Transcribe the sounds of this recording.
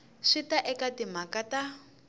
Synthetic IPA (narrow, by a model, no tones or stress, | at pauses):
ʂitaʔɛkatimakata